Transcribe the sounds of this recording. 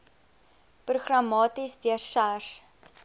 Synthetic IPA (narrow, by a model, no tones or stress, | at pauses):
pruχrɐmɑːtisdiərsars